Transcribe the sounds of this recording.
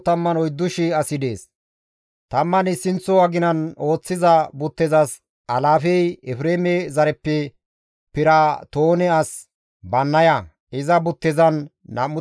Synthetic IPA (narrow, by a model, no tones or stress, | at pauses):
t̪ɐmːɐnɔjd̪ːʊʃɪɐsɪd̪eːs | t̪ɐmːɐnɪsːɪnt͡sːɔɐɡɪnɐno̞ːt͡sːɪzɐbʊt̪ːɛzɐs | ɐlaːfɛjɛfɾeːmɛzɐɾɛpːɛ | pɪɾat̪oːnɛɐs | bɐnːɐjɐ | ɪzɐbʊt̪ːɛzɐnː | ɐ̰mʊ